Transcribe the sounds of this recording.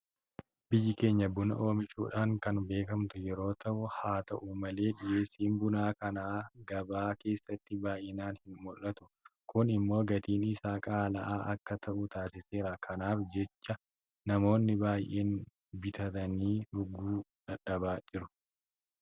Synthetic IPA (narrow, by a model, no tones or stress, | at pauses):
bɪjːɪke̞ːɲːɐbʊnɐ̰ʔo̞ːmɪt͡ʃːṵːᶑaːŋkɐnbe̞ːkɐmt̪ʊjɛɾo̞ːt̪ʰɐʔʊhaːt̪ɐʔʊmɐle̞ːᶑɪje̞ːsːiːnbʊnaːkɐnaːɡɐbaːke̞ːsːɐt̪ːɪbaːjʔɪnaːnhɪnmɔlːɐt̪ʊ̥kʊnɪmːo̞ːɡɐt̪iːnɪsaːkʼaːlɐʔaːʔɐkːɐt̪ʰɐʔʊt̪aːsɪse̞ːɾakʰɐnaːfd͡ʒɛt͡ʃːɐ | nɐmo̞ːnːɪbaːjʔeːn | bɪt̪ɐt̪ɐniːʔʊɡuːᶑɐᶑɐbaːd͡ʒɪɾʊ